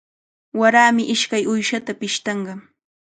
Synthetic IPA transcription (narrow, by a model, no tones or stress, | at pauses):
waɾaːmɪʔɪʃkajʊjʃat̪apɪʃt̪ɑɴɢɑ